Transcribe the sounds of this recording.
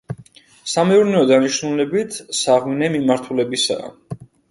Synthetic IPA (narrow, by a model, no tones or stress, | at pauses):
samɛuɾnɛɔd̪aniʃnulɛbit̪ʰsaʁminɛmimaɾt̪ʰulɛbisa̰ː